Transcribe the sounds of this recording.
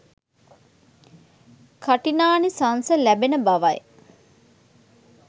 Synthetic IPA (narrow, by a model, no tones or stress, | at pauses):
kʰaʈinaːnisansəlæbenəbaʋaj